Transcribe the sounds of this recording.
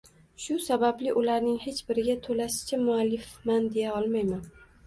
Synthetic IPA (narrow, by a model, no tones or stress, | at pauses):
ʃʊsabablɪʔʊlaɾnɪŋhe̞t͡ʃbɪɾɪɡʲat̪ʰolaʃɪ̥t͡ʃʰamʊalːɪfmand̪e̞jaɒlˠmajman